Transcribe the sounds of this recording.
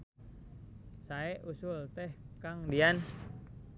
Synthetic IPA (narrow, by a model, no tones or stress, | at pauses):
saɛʔusʊlt̪ɛhkaŋdian